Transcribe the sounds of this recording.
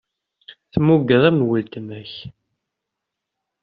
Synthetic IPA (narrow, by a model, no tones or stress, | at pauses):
θmːuɡəðˤæmnwəlt̪əmæç